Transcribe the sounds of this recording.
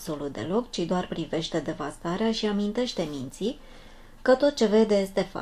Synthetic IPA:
so̞lut̪̚d̪e̞̰lo̞kt͡ʃid̪oarpɾive̞ʃt̪e̞d̪e̞vast̪aɾeaʃiamint̪e̞ʃt̪e̞mint̪si | kət̪o̞t̪̚t͡ʃe̞ve̞d̪eje̞st̪e̞fa̰

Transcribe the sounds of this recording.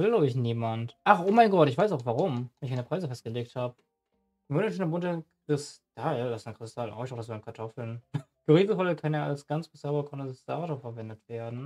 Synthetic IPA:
vɪlɔɪçniːmantʔaχʔoːmaɪnɡɔtɪçv̥aɪsaʊxv̥aʁʊmanɪçkaɪnəpʁaɪzəfɛst̚ɡ̥əleːk̚thaːbə | vølnəːnɐbʊntəkʁ̥ɪstʰalasnəkʁ̥ɪstʰalnʔa̰ːɪçaʊxd̥asaɪmkʰaɐtʰɔfl̩nɡ̥əʁiːzəfɔlkʰaneːʔa̰lsɡ̥ant͡sb̥əsɛbɐkʰɔnəzsa̰ʁatapfɛɐvɛndətv̥eːɐdn̩

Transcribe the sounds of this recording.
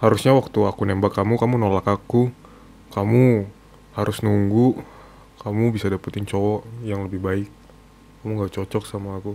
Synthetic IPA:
haɾusɲawak̚t̪uakunɛmbakːamukamunolakaku | kamu | haɾʊsnuŋɡu | kamubisadapat̪ɪɲt͡ʃowɔjaŋləbɪhbaɪk̚ː | amuŋɡat͡ʃɔt͡ʃɔksamaːku

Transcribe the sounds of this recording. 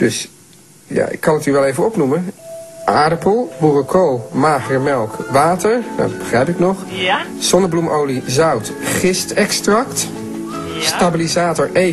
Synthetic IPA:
d̥ɵs | ja̰ɪ̰kːɑnətyʋɛlˠejvəɔpnuməʔaːɹdəpəlˠburokʰowmaːχrəmɛlˠkʋaːtəɹda̰d̚bəχrɛjpɪknɔχz̥ɔnəblumʔowlizœwt | χɪstɛkstrɑkt | stabilizaːtɔɹʔe

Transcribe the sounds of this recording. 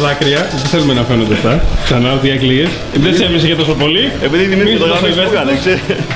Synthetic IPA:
ðɐkɾiɐt̪iθelumenɐfenond̪eft̪ɐksɐnɐot̪iɐklies | ðesevis̬eʝet̪osopo̞liepiðiðimisɐsimesɐnekse

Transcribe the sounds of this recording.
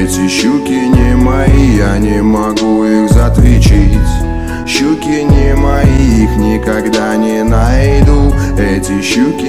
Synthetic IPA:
ɛtʲɪɕːukʲɪnʲɪmɐjijanʲɪmɐɡuixzɐt̪vʲɪt͡ɕitʲ | ɕukʲɪnʲɪmɐjiixnʲɪkɐɡd̪anʲɪnajd̪uɛtʲɪɕːukʲɪ

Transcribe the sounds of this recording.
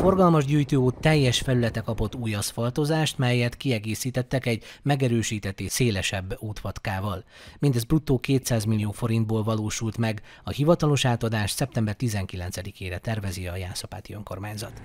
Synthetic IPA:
fo̞rɡɒlmɒʒɟyːjt̪øːoːt̪ːɛjːɛʃfɛlylɛt̪ɛkɒpo̞t̪ːuːjɒsfɒlt̪o̞zaːʃt̪mɛjːɛt̪kiɛɡeːsiːt̪ɛt̪ːɛkɛɟmɛɡɛɾøːʃiːt̪ɛt̪ːeːseːlɛʃɛbːuːt̪ʋɒt̪kaːvɒl | mind̪ɛzbrut̪ːoːkeːt̪saːzmilːijoːfo̞ɾind̪̚boːlvɒloːʃult̪mɛɡ | ɒhivɒt̪ɒlo̞ʃaːt̪ɒd̪aːʃsɛp̚t̪ɛmbɛrt̪izɛŋkilɛnt̪sɛd̪ikʰeːɾɛt̪ɛrvɛziɒjaːsɒpa̰ːt̪iøŋko̞̰rmaːɲzɒ̰t̪

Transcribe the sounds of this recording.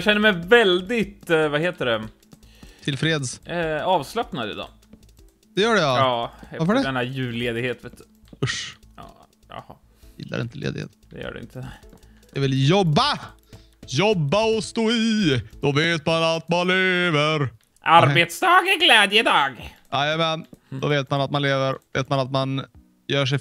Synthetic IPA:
ɕɛnːəɾmɛjvɛld̪ɪt̪vaɦeːt̪əɖɛ | t̪ʰɪlfɾeːd̪sɑːvslapnad̪ɪ̰d̪ɑ̰ː | d̪̥ɛjœːɖɛjaɑːɛafəɖɛd̪ɛnd̪æɾjʉ̟ːleːd̪ɪɡheːt̪veːt̪ː | ɵʂjɑ̰ː | jɑ̰hɑ̰ | jɪ̰lːa̰ɾɪnt̪əlḛːd̪ɪ̰hḛːt̪d̪ɛ̰jœ̰ːɖɛ̰ɪ̰nt̪ʰə | d̪̥ɛvɪljɔbːa | jɔbːaɔst̪oːɪd̪̥ɔveːt̪manat̪manleːvəɾ | ʔaɾbet̪sd̪ɑːɡæɾɡlɛːd̪jəɪd̪ɑːɡ | ʔajamɛnd̪ɔveːt̪manat̪̚manleːvəɾvḛːt̪manat̪man | jœːʂ̬ɛ

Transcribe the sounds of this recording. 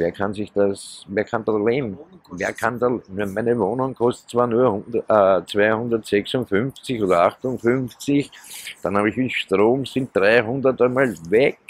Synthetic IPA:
veːɐkʰansɪçd̥asveːɐkʰandaleːbm̩veːɐkʰandanmæɪnəvoːnʊŋkʰɔst̪ə̥tt͡sv̥aːɐnuːɐhʊnəət͡svæɪhʊ̃ndɐtsɛksʊnfʏnft͡sɪçoːdɐaxtʊnfʏnft͡sɪçd̥anhaːbɪçɪnʃtʁoːmsɪ̃nt̚d̥ʁaɪɦʊ̃ndətəmalvɛk

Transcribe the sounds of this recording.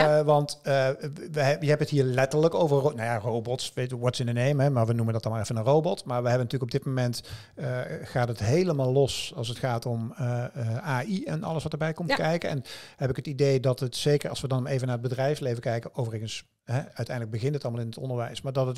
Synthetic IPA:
ʋɑnt | ʋəjəɦɛbəətɦiːɹlɛtələkowvəɹonajarowbɔtsʋejtʋɔtsɪnənejmɦɛmaːɹʋənuməndɑtɑlˠmalɛfənənrowbɔtmaːɹʋəɦɛbənətyːləkɔbdɪt̚momɛnt | əχaːtɦətɦejləmaːlˠlɔsɑ̰lˠs̬ətxaːtɔməaːiɛnɑ̰lˠəsʋɑtəɹbɛjkɔmtkɛjkəɛ̰nhɛpɪkɦətidejdɑtətsejkəɹɑ̰lˠsʋədɑnejvənaːɹəd̚bədrɛjfslejvəkɛjkəowvərəɣəns | ɦɛœɥtɛjndələɡ̚bəɣɪntətɑlˠmalˠɪnətɔ̰ndəɹʋɛjsmaːɹdɑtət

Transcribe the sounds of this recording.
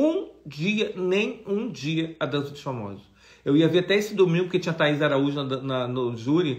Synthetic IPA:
ũd͡ʒiɐnẽj̃ũd͡ʒiɐad̪ɐ̃zʊd͡ʒ̪ɪ̥famɔ̰zʊ | ewiɐveɾat̪ɛesɪd̪omĩŋɡʊpoket͡ʃĩɲɐt̪aizd̪aɾauʒɪnɐd̪ɐnɐnʊʒuɾɪ

